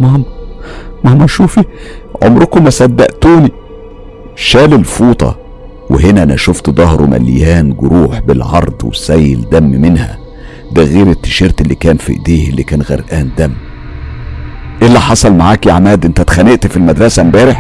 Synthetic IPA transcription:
mæhm | mɑhmɑʃuːfiʕo̰mɾokumæsæd̪ːæ̰ʔt̪uːni | ʃæːlelfuːt̪ˤɑ̰ | wḛɦenæʔænæʃoft̪d̪ˤɑɦɾʔumæ̰ljæːnɡoɾuːħbelʕɑɾˤd̪ˤwḛsæjːḛld̪æmːmenhæ̰ | bæɣeːɾet̪ːe̥ʃiːɾt̪elːikæːnfḭʔd̪eːhelːikæːnɣæ̰ɾʔæːnd̪æmː | ʔelːæħɑsˤɑlmaʕaːkjaʕmæːd̪ʔent̪æt̪xæneʔt̪filmæd̪ɾˤɑsæmbæːɾeħ

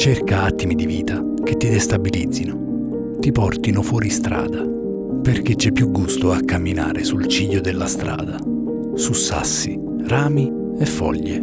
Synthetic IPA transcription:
t͡ʃerkaat̪ːimid̪iviːt̪a | ket̪ːid̪est̪abilid̪zːino | t̪ipɔrt̪inofwɔːɾist̪ɾa̰ːd̪a | perk̟et͡ʃːɛpːjuɡːust̪oakʰːamːina̰ːɾesult͡ʃiʎːod̪elːast̪ɾa̰ːd̪a | susːa̰sːi | raːmi | efːɔ̰ʎːḛ

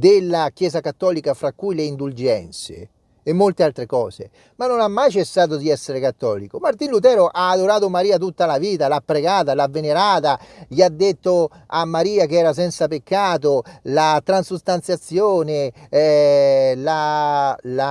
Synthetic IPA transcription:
d̪ɪlːakjɛːzakat̪ːɔːlikafɾakːujleind̪uld͡ʒɛnt̪sḛː | mːolt̪ealt̪ɾekɔ̰ːzḛ | manːonamːajt͡ʃesːaːt̪̬od̪iɛsːeɾekat̪ːɔ̰ːlikomaɾt̪inlut̪̬ɛːɾoʔaːd̪oɾaːt̪omaɾiːat̪̬ut̪ːalaviːt̪alapːɾeɡaːt̪̬alavːeneɾaːt̪aʎiad̪ːet̪ːo | amːaɾiːak̟ɛːɾas̬ɛnt̪sapekːaːt̪̬olat̪ɾansust̪ant̪sjat̪sːjoːne | la | la

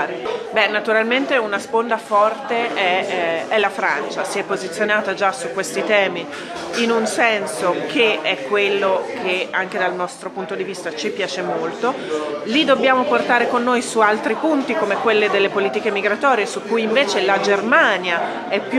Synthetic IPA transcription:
ɾebɛnːat̪uɾalment̪eunaspond̪afɔrt̪eɛɛlːafɾant͡ʃasiɛpːozit̪sːjonaːt̪ad͡ʒasukːwest̪it̪ɛːmi | inunsɛnsokʰeɛkːwelːokʰeaŋk̟ed̪alnɔst̪ɾopunt̪od̪ivist̪at͡ʃipjaːt͡ʃemolt̪o | lid̪ːobːjaːmoport̪aːɾekonːoːjsualt̪ɾipunt̪ikomekwelːed̪elːepoliːt̪ikemiɡɾat̪ɔːɾijesukːujiɱveːt͡ʃelad͡ʒermaːnja | ɛpːj

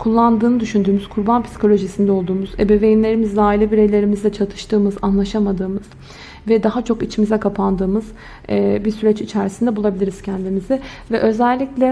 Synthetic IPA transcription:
kʰulˠːand̪ɯːnɯd̪yʃynd̪yːmyz̥kʰuɾbanpʰi̥si̥kʰo̞lʲo̞ʒisind̪ɛo̞lˠd̪uːmuzebe̞vejinlʲe̞ɾimizlaːilʲɛbiɾe̞jlʲe̞ɾimizd̪ɛt͡ʃʰat̪ʰɯ̥ʃt̪ɯːmɯzanlˠaʃamad̪ɯːmɯz̥ | vɛd̪aɦat͡ʃʰo̞kit͡ʃʰimizɛkʰapʰand̪ɯːmɯz̥ | ɛbisyɾɛt͡ʃit͡ʃʰæɾisind̪ɛbulˠabilʲiɾiz̥cʰɛnd̪imizɪvɛʔø̞zælʲːiclʲɛ

